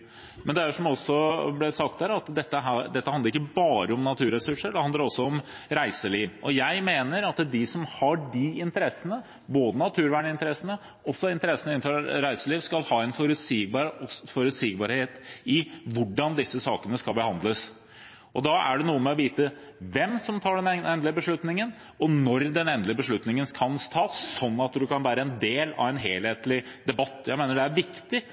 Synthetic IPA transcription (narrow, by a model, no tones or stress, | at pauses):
mɛnd̪ɛæɾʂɔmɔsːɔblɛsɑk̚t̪̚d̪æːɾɑt̪d̪ɛt̪ːəɦd̪ɛt̪ːəhɑnəɾɪkːəbɑːɾəɔmnɑt̪ʰʉːɾɛsʉʂəɖɛhɑnd̪əɾɔsːɔɔm | ɾæɪsəliːʋʔɔjæɪmeːnəɾɑt̪d̪ɪsɔmhɑɖɪɪnt̪əɾɛsːənə | boːd̪ənɑt̪ʰʉːɾʋæːɳəɪnt̪əɾɛsːənə | ɔsːɔɪnt̪əɾɛsːənəɪnfɔɾɾæɪsəliːʋskɑlhɑːɛɪnfɔɾʉsibɑɾfɔɾʉt̪siːɡbɑɾheːt̪ɪʋʊɖːɑnd̪ɪsːəsɑ̰ːkənəskɑlbəhɑnd̪ləs | ʔɔd̪ɑʔæ̰ɖɛnuːəmɛɔʋiːt̪əʋɛmsɔmt̪ʰɑːɖɛnɛnd̪lɪəbəʂɭʉt̪nɪŋən | ɔnɔɾd̪ɛnɛnd̪lɪəbəʂɭʉt̪nɪŋənskʰɑnst̪ʰɑːsɔnːɑt̪d̪ʉkɑnʋæːɾəɛnd̪eːlɑ̰ʋɛnɦeːlheːt̪lɪd̪ɛbɑt̪ːjæɪmeːnəɖɛæɾʋɪkt̪ɪ